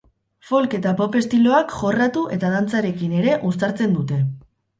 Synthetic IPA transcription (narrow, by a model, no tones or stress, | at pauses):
fo̞lke̞t̪apo̞pe̞st̪ilo̞akʝo̞rat̪uʔe̞t̪að̞ant͡saɾe̞kine̞ɾe̞ʔust̪aɾt͡se̞nd̪ut̪e̞